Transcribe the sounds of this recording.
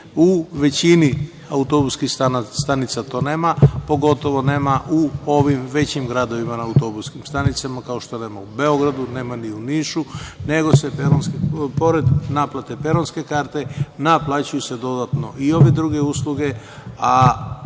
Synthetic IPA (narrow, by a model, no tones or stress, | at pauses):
uʋe̞t͡ɕini | aut̪o̞buskixast̪anit̪sat̪o̞ːne̞ːmapo̞ɡo̞t̪o̞ʋo̞ne̞ːmaʔuo̞ʋimʋe̞t͡ɕimɡɾad̪o̞ʋimanaːut̪o̞buskimst̪anit̪samakao̞ʃt̪o̞ne̞ːmaube̞o̞ɡɾad̪une̞ːmaniuniːʃune̞ɡo̞se̞peɾonskepo̞ɾed̪naplˠat̪e̞pe̞ɾonske̞kaːɾt̪e̞naplˠaːt͡ɕujuse̞d̪o̞d̪at̪no̞io̞ʋe̞d̪ɾuɡe̞uslˠuɡe̞ | a